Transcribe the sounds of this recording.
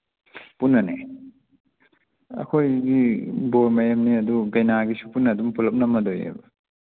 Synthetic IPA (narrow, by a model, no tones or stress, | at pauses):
punːɐnḛ | ɐ̰kʰojɡiboɾmɐjamniɐduɡejnaɡisu̥punːɐdumpulɐp̚nɐmɐdojḛbɐ